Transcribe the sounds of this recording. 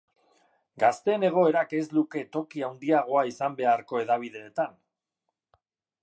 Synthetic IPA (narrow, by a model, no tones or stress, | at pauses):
ɡast̪e̞ːne̞ɣ̞o̞e̞ɾake̞zluke̞t̪o̞kiawnd̪iaɣ̞o̞aisambe̞aɾko̞e̞ðaβ̞iðe̞ːt̪an